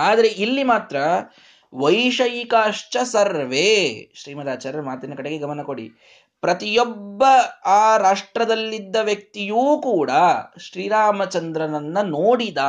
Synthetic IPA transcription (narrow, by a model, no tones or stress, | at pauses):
aːd̪ɐɾe̞ʔilːimaːt̪ɾɐ | ʋɐjʂɐjkaːʂt͡ʃɐsɐɾʋeʃɾiːmɐd̪aːt͡ʃaːɾɐɐmaːt̪inːɐkɐɽeɡe̞ɡɐmɐnɐkoɽḭ | pɾɐt̪ijobːɐaːɾaːʂʈɾɐd̪ɐlːid̪ːɐʋjɐk̚t̪ijuːkuːɽɐʃɾiːɾaːmɐt͡ʃɐnd̪ɾɐnɐnːɐnoːɽid̪aː